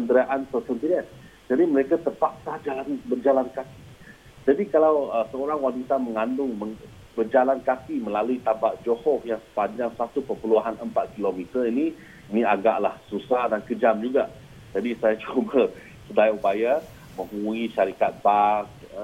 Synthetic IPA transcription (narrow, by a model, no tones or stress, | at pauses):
kəndəɾaʔansəsɔnt̪inan | d͡ʒadiməɾekat̪ərpak̚sad͡ʒalanbərd͡ʒalankaki | d͡ʒadikalawəsəoɾaŋwanit̪aməŋandʊŋməŋ | bərd͡ʒalankakiməlaluit̪abaʔd͡ʒohɔfjaŋsə̥paɲd͡ʒaŋsat̪upəpəluɦanəmpat̪̚kilomit̪ərini | iniaɡaʔlahsusahdankəd͡ʒamd͡ʒuɡaʔ | d͡ʒadisajat͡ʃubə | sədajaupaja | mə̃ŋuiʃaɾikat̪̚bak̚ | ə